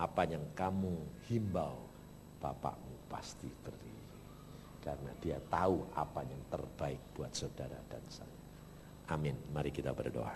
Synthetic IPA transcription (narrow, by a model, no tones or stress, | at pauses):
ʔapajaŋkamuhimbaw | b̥apa̰ʔmupast̪it̪əri | i | kaɾənadiat̪aua̰pajaŋt̪ərb̥aɪk̚b̥uat̪̚sodaɾa̰d̥ansa̰ɲa | ʔamɪnmaɾikit̪a̰bərdo̰a